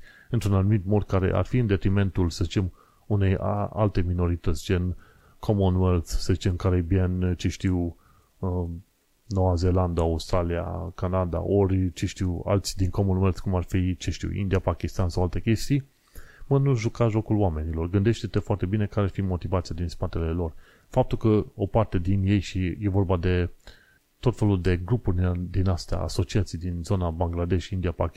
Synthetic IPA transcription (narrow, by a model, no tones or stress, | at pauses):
ɨnt̪ɾunanumit̪mo̞d̪kaɾe̞̰ʔa̰rfiɨnd̪e̞t̪ɾime̞nt̪ulsəzit͡ʃe̞m | une̞jaa̰lt̪e̞mino̞ɾit̪ət̪sʲd͡ʒen | kʰomonwelθsəzit͡ʃekaɾibianʲt͡ʃeʃt̪iw | no̞waze̞land̪aawst̪ɾalia̰kanad̪a̰ʔorʲt͡ʃeʃt̪iwa̰lt̪sʲd̪inkomonwelt̪kumarfit͡ʃeʃt̪ḭwḭnd̪ijapakʲist̪ansawalt̪e̞kʲe̞st̪ij | mənuʒukaʒo̞kulwame̞nilo̞rɡɨnd̪e̞ʃt̪e̞t̪e̞foart̪e̞bine̞kaɾeafimo̞t̪ivat̪sijad̪inspat̪e̞le̞lo̞r | fap̚t̪ulkəo̞part̪e̞d̪inje̞jʃije̞vo̞rbad̪e̞ | t̪o̞t̪fe̞luld̪e̞ɡɾupurʲd̪inast̪ea̰a̰so̞t͡ʃiat̪sijd̪inzo̞nabaŋɡlad̪e̞ʃind̪iapak